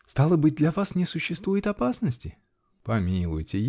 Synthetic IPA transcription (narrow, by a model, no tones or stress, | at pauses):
st̪alˠəbɨd̪lʲɐvasnʲɪsʊɕːɪst̪vujɪt̪ɐpasnəsʲtʲɪ | pɐmʲilˠʊ̰jtʲɪj